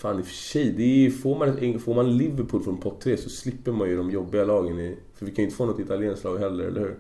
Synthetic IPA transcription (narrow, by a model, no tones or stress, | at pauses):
faːnɪfœ̥ʂɛjd̪ɛfoːɾmanɛt̪ɛfoːmanɛnlɪvːəɾpʰuːlfɾɔnpʰɔp̚t̪ʰːɾeːsɔslɪpːəɾmanjʏd̪ɔmjɔbːɪɡalɑːɡənɪ | fœɾvɪkʰanʏɪt̪ə̥foːnɔt̪ːɪt̪aljeːnslɑːɡɦɛlːəɾɛ̰lə̰hʉ̟ːɾ